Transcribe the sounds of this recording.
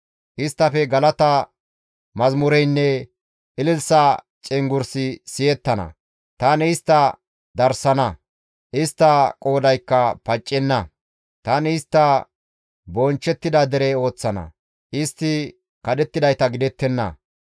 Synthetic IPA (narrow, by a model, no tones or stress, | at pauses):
ʔɪst̪ːɐfɛɡɐlɐt̪ɐ | mɐzmʊɾɛjnːɛ | ʔɪlɪlsɐ | t͡ʃʼɛŋɡʊɾsɪsɪjɛt̪ːɐnɐ̰ | t̪ɐnɪɪst̪ːɐ | d̪ɐɾsɐnɐ | ʔɪst̪ːɐkʼo̞ːd̪ɐjkːɐpɐt͡ʃʼːɛnːɐ | t̪ɐnɪːst̪ːɐ | bont͡ʃːɛt̪ːɪd̪ɐd̪ɛɾɛo̞ːt͡sːɐnɐ̰ | ʔɪst̪ːɪ | kɐd̪ɛt̪ːɪd̪ɐjt̪ɐɡɪd̪ɛt̪ːɛnːɐ̰